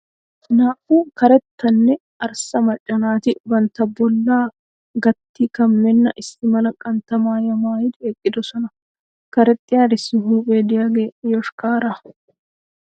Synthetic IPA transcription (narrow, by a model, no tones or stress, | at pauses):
naːfuːkɐɾɛt̪ːɐnːɛ | ɐɾsɐmɐt͡ʃʼːɐnaːt̪ɪbɐnt̪ɐbɔlːaː | ɡɐt̪ːikɐmːɛnːɐʔɪsːɪmɐlɐkʼɐnt̪ɐmaːjɐmaːjɪd̪ekʼːɪd̪ɔsɔnɐ | kɐɾɛt̪ʼːɪjaːd̪ɪsːɪɦuːbeːd̪ɪjaɡeːʔjɔʃkaːɾa